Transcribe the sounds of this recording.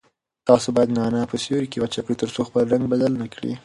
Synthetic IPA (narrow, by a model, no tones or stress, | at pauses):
t̪ɑsobɑjad̪nɑnɑpəsjoɾikewat͡ʃakɽit̪əɾsoxpəlɾaŋɡ̚bad̪alnakɽḭ